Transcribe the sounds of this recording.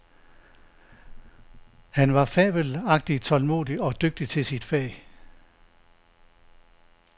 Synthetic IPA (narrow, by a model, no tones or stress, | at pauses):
hænʋɑ̈fɛːʋəlɑ̈ɡ̥̚d̥it͡sʰɒ̽lmo̝̰ːðˠiɒ̽d̥øɡ̥̚d̥it͡sʰe̝lsid̥fɛ̰ː